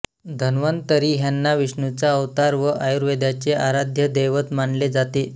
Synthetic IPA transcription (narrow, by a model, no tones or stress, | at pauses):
d̪ʱənʋənt̪əɾiːɦjanːaʋiʂɳut͡saəʋt̪aɾʋəʔajuɾʋed̪jat͡seʔaɾad̪ʱjəd̪eʋət̪maɳled͡zat̪e